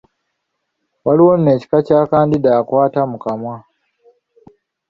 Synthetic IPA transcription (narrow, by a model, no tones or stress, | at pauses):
waliwonne̞ːci̥kacaːkaːndidaːkwaːtamukamwa